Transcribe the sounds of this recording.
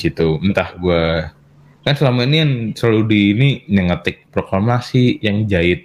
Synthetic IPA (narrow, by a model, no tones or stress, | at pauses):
it̪uənt̪ahɡua | kansəlamainijansaludiːniɲəŋət̪ɪk̚pɾokamasijaŋd͡ʒaɪt̪̚